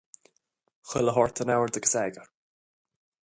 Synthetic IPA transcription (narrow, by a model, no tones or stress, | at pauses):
xɪləɦɔɹt̪ʰənawəɹd̪əɡəsɛːɡəɹ